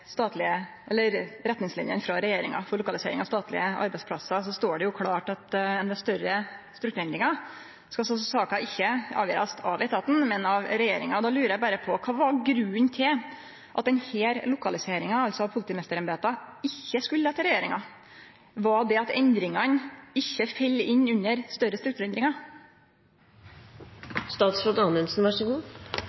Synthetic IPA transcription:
st̪ɑːt̪lɪə | ɛlːəɾɾɛt̪ːnɪŋslɪ̰njə̰nfɾɑɾɛjeːɾɪ̰ŋɑ̰fɔɾɭʊkɑlɪsḛːɾɪŋɑst̪ɑːt̪lɪ̰əʔɑ̰ɾbɛɪspʰlɑsɑsɔst̪oːɖɛjʊkʰlɑːʈɑt̪ɛnd̪ɛst̪œɾəst̪ɾʉkt̪ʉɾɛnd̪ɾɪŋɑ | skɑsɔsɑːkɑʔɪçːəɑ̰ːʋjø̰ːɾɑst̪ʰɑ̰ʋɛɪt̪ʰɑːt̪n̩mɛnɑʋɾɛjeːɾɪ̰ŋɑɔd̪ɑːlʉːɾəjæbæɾəpʰɔkʰɑːʋɑɾɡɾʉːnt̪ʰɪl | ʔɑt̪̚d̪ɛnheːɾlʊkɑlɪseːɾɪŋɑɑlsɔpʰʊlɪt̪iːmɛst̪əɾɛnbeːt̪ɑɪçːəskʉlːəhɑːt̪ɪlɾɛjeːɾɪŋɑ̰ | ʋɑd̪ɛɑt̪ɛnd̪ɾɪŋɑnɪçːəfɛlːɪnːʉnːəɾst̪œɾəst̪ɾʉkt̪ʉːɾɛnd̪ɾɪŋɑ | st̪ɑːt̪sɾʊt̪ɑnənsnʋɑʂɔɡuː

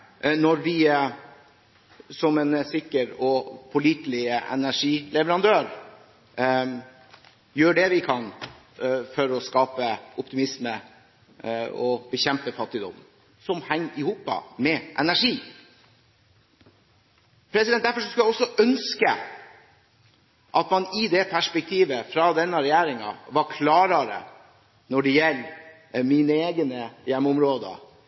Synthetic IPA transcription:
nɔɾʋɪ | sɔmɛnsɪkːəɾɔpʰʊliːt̪lɪəʔɛ̰næʂiːlɛʋəɾɑnd̪øːɾ | jøːɖɛʋɪkʰɑn | fɔɾɔskɑːpəʔʊpt̪ɪmɪsmə | ɔbəçɛmpəfɑt̪ːɪd̪ɔ̰m | sɔmhɛŋːɪhuːpɑ̰mɛʔɛnæʂiː | pʰɾɛsɪd̪ɛn̚d̪æɾfɔɾʂɔskʉlæɪɔsɔʔœnskə | ʔɑt̪mɑnɪd̪ɛpʰæʂpɛk̚t̪ʰiːʋəfɾɑd̪ɛnːəɾɛjæːɾɪŋɑ̰ʋɑɾkʰlɑːɾɑɾə̰ | nɔɖɛjɛlː | minəeːɡənəjɛmːʊmɾoːd̪ə̰

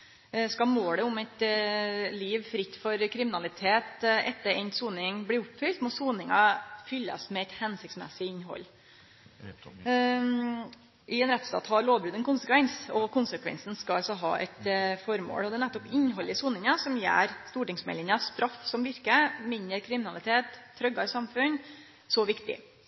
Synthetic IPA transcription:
skɑmoːɽəʊmɛt̪ | liːʋfɾɪt̪ːfɔɾkʰɾɪmɪnɑlɪt̪ʰeːt̪ʔɛt̪ːəɾɛnt̪suːnɪŋbliːʊpːfʏlt̪mɔsuːnɪŋɑfʏlːə̰smɛɛt̪hɛnsɪkt̪smɛ̰sɪɪnɦɔ̰lː | ʔɪɛnɾɛt̪st̪ɑ̰ːt̪hɑɾɭoːʋbɾʉːd̪ɛnkʊnsəkʋɛnsɔkʰʊnsəkʰʋɛ̰nsn̩skɑɑlsɔɦɑ̰ːʔɛ̰t̪fɔɾmo̰ːɽɔd̪ɛːnæt̪ːɔpɪnɦɔlːɪsuːnɪŋɑsɔmjæ̰ːɾst̪uːʈɪŋsmɛ̰lɪŋɑst̪ɾɑfsɔmʋɪɾkəmɪnəɾkʰɾɪmɪnɑlɪt̪ʰeːt̪ʰːɾœɡɑɪsɑmfʉn | sɔʋɪkt̪ɪ̰

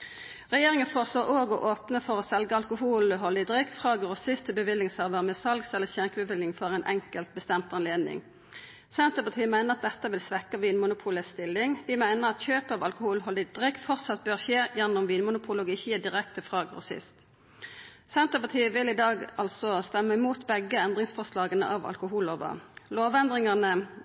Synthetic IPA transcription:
ʁɛjeːʁɪŋənfoːʁəsloːʁoːɡɔ̰ʔoːpnəfɔʁoːsɛlɡəɑlkʊhuːləɦɔlɪd̪ʁɪkːfʁɑːɡʁʊsɪst̪ʰəbəʋɪlːɪŋsɑːʋəʁmɛsɑlɡsɛlːəçæʁkəbəʋɪlɪŋfɔʁɛɪnʔɛ̰ŋkəlt̪̚bəst̪ɛmt̪ɑnleːd̪nɪ̰ŋ | sɛnt̪əʁpɑt̪ʰiːəmæɪnəʁɑt̪̚d̪ɛt̪ːəʋɪlsʋɛkːəʋiːnmʊnʊpʰuːləst̪ɪlːɪŋd̪ɪmæɪnəʁɑt̪çøːpəɑʋɑlkʊhuːlɦɔld̪ɪd̪̥ʁɛkt̪fɔʁt̪sɑt̪̚bøːʁçeːjɛnːʊmʋiːnmʊnʊpʰuːloɡɪçiəd̪ɪʁɛkt̪əfʁɑːɡʁʊ̰sɪ̰st̪ | sɛnt̪əpɑt̪ʰiːəʋɪlɪd̪ɑːɡɑlsɔst̪ɛmːəɪmuːt̪bɛɡːəɛnd̪ʁɪŋsfɔʁʂlɑːɡənə̰ʔɑʋɑ̰lkʊɦuːloːʋə̰loːʋɛnd̪ʁɪŋɑnə

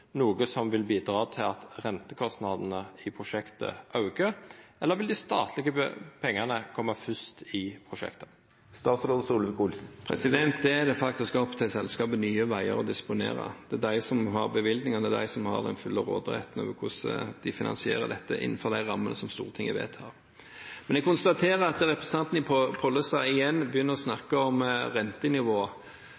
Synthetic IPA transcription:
nuːɡəsɔmʋɪlbiːd̪ɾɑːt̪ʰɪlɑt̪ɾɛnt̪əkʰɔst̪nɑd̪ənəɪpʰʊʂɛkt̪ə̰ʔɑʉɡəɾɛlːəɾʋɪld̪ɪst̪ɑ̰ːt̪ʰlɪɡəpʰɛŋːənəkʰɔmːɑfʏst̪ɪpʰɾʊʃɛ̰kt̪ə̥ | st̪ɑːt̪sɾoːd̪əsuːləʋɪkʊlsn̩pʰɾɛ̰sɪd̪ɛnt̪̚d̪ɛæd̪ɛfɑk̚t̪ɪskɔpt̪ʰɑsɛlskɑːbənyːəʋæɪəɾɔd̪ɪspʊnḛːɾɑ̰d̪̥ɛd̪æɪsɔmhɑɾbəʋɪld̪nɪŋɑnd̪ɛd̪æ̰ɪsɔmhɑ̰ʁd̪ɛnfʉlːɑɾo̰ːd̪ɾɛ̰t̪n̩ø̰ːʋəɾkʰʊsə̰d̪ɪfɪnɑ̰nsɪeːɾə̰d̪ɛt̪ːəʔɪ̰nːənfɔɾd̪æɪɾɑmːənəsɔmst̪ṵːʁət̪ʰɪŋːəʋḛːt̪ʰɑ̰ːɾ | mɛnɛɡ̚kʊnst̪ɑt̪ʰeːɾəɑt̪ɾɛpɾɛsən̩ɑnt̪n̩ɪpʰpʰɔlːəst̪ɑɪjɛnːbəjʏnːəʁɔsnɑkːəɔmɾɛnt̪ənɪʋoː

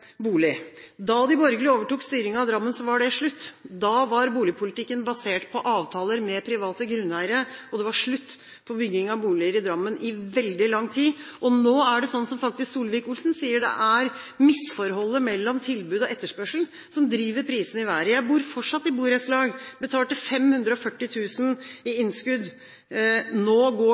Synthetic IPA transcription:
buːlɪd̪ɑd̪ɪbɔɾɡlɪoːʋəʈuːkst̪yːɾɪŋəɑʋd̪ɾɑmːənsɔʋɑɖɛʂɭʉt̪ːd̪ɑʋɑɾbuːlɪpʰʊlɪt̪ɪkːənbɑseːʈpʰɔʔɑːʋt̪ʰɑːləɾmɛpʰɾɪʋɑːt̪əɡɾʉnːlæɪɾəɔd̪ɛʋɑʂɭʉt̪ː | pʰɔbʏɡːɪŋɑʋbuːlɪəɾɪd̪ɾɑmːənʔɪʋɛld̪ɪlɑŋːt̪ʰiːʔɔnoːæɖɛsɔnːsɔmfɑk̚t̪ɪsksuːlʋɪːkʊlsn̩siːəɖɛ̰ʔæɾ | mɪsfɔɾɦɔlːəmɛlːɔmt̪ʰɪlbʉːd̪ɔʔɛt̪ːəʂpœʂl̩ | sɔmd̪ɾiːʋəɾpʰɾiːsənɪʋæɾəjæɪbuːɾfɔʈʂɑt̪ːɪbuːɾɛslɑːɡbət̪ʰɑːlʈ̪ɪfɛmhʉnd̪ɾəɔfœʈːɪt̪ʰʉːsn̩ɪɪnskʉd̪ | noːɡoː

